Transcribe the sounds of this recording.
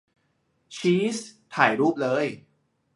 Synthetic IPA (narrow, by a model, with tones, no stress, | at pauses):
t͡ɕʰiː˦˥st̪ʰaː˨˩jɾuː˥˩p̚lɤː˦˥j